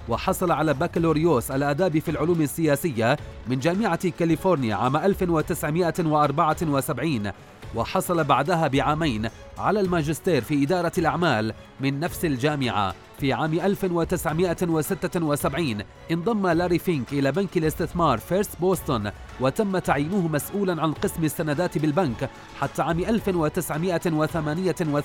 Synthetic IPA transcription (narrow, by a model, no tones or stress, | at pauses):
wɑħɑsˤɑlʕalaːbaːkloːɾɪjoːsʔalʔad̪aːbifiːlʕʊluːmasːɪjaːsɪjːamɪnd͡ʒaːmɪʕakalɪfoːɾnɪja̰ʕa̰ːmaʔalfwat̪ɪsʕmɪʔawɪʔɑɾˤbɑʕawɪsabʕiːn | wɑħɑsˤɑlɑbaʕd̪aɦaːbɪʕaːmajn | ʕa̰laːlmad͡ʒɪst̪eːɾfiːʔɪd̪ɑːɾˤɑlʔaʕmaːl | mɪnːafsald͡ʒaːmɪʕa̰ | fiːʕaːmɪʔalfɪwat̪ɪsʕmɪʔawasɪt̪ːawasabʕiːn | ʔɪnd̪ˤɑmːalaɾifɪnkʔɪlaːbankalʔɪst̪ɪθmɑːɾˤfeɾsboːst̪ʊn | wat̪amːat̪aʕjiːnʊhʊmasʔuːlanʕanqɨsmasːanad̪aːt̪bɪlbank | ħat̪ːaʕaːmɪʔalfɪnwat̪ɪsʕmɪʔawaθamaːnɪjawa